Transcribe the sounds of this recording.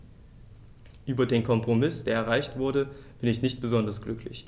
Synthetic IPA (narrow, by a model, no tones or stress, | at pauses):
ʔyːbɐdeːnkʰɔmpʁ̥omɪsd̥eːɐɛɐʁaɪçtv̥ʊɐɾəb̥ɪnɪç̬nɪçt̚b̥əzɔndɐsɡ̥lʏklɪ̰ç